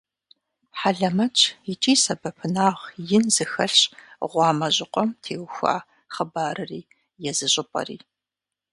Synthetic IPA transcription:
ħaɮɐmɐt͡ʃʼʰjɪt͡ʃʼiːsɐbɐpʰɨnaːʁjɪnzɨxɐɬɕʁʷɑːmɐʑʼɪqʷʼɔmtʰeːwxʷa̰ː | χəbaːɾɨriː | jɛzɨɕʼɪpʼɐ̰rḭː

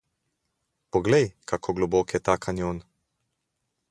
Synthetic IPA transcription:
pɔɡlɛjkʰakʰoɡlɔboːkjɛt̪akʰanjon

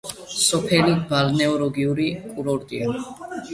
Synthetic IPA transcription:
sɔpʰɛlibalnɛɔɾɔɡiuɾikʼuɾɔɾt̪ʼia

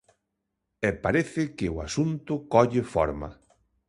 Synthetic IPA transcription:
ɛpaɾeθɪkɪʊasunt̪ʊkɔʎɪfɔ̰ɾmɐ̰

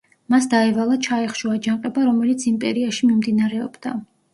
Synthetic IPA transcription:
masd̪aɛvalˠat͡ʃʰaɛχʃuad͡ʒaqʼɛbaɾɔmɛlit̪sʰimpʼɛ̰ɾiaʃimimd̪inaɾɛɔ̰bd̪a̰

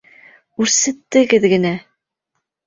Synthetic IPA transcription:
ʉɾsɘ̆t̪ːɘ̆ɡɘðɡɘ̆næ

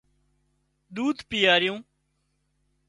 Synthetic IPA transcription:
d̪uːd̪pɪjaːɾɪjũː

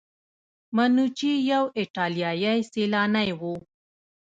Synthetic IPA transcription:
manut͡ʃijawɪʈɑlijɑjajselɑnajwu

